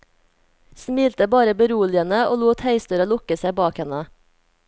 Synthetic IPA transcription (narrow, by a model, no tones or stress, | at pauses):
smiːlt̪əbɑːɾəbəɾuːlɪənəʔoːluːt̪hæɪst̪ʉɾɑlʊkəsæɪbɑːkhɛnə